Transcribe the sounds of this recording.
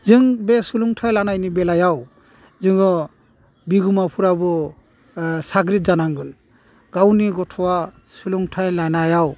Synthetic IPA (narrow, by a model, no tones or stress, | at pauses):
zɯŋbesuluŋtʰajlanajnibɛlajaw | zɯŋɔ | biɡumapʰuɾabɯ | saɡɾit̚zanaŋɡɯl | ɡ̥awniɡɔtʰɔwa | suluŋtʰajlajnajaw